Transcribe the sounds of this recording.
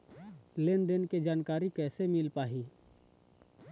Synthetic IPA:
lenɖ̪ənked͡ʒaːnkaːɾikɛːsemɪlpaːɦiː

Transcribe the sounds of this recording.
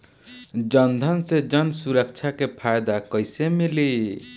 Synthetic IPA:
d͡ʒənd̪ʱənsed͡ʒʌnsuɾək̚t͡ʃʰakepʰajd̪akəjsemili

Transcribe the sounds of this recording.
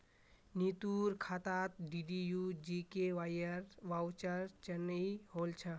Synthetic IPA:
nit̪uɾkʰat̪at̪̚ɖiɖijud͡ʒikeʋajəɾʋawt͡ʃəɾt͡ʃənəiɦolt͡ʃʰə

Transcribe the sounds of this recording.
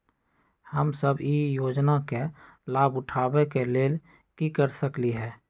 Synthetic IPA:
həmsəbijoːd͡ʒnake | laːbʊʈʰaːwekeleːl | kikəɾsəkliɦɛː

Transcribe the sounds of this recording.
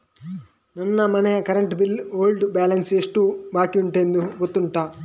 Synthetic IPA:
nɐnːɐmɐnɛjɐkɐɾɐɳʈbiloːlɖbaːlɐnseʂʈubaːkiuɳʈend̪ubot̪ːuɳʈaː

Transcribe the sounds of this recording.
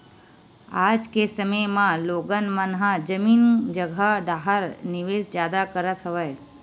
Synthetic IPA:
aːd͡ʒkesəməjmãloːɡənmənɦãd͡ʒəmiːnd͡ʒəɡʱaɖaːɦəɾnɪʋeːd͡ʒd͡ʒjaːd̪akəɾət̪ʰəʋəj

